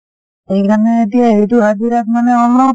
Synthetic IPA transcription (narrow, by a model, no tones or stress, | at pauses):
ejkʰanɛːt̪ijaɦejt̪uɦad͡ʒiɾakmanɛɔnːɔ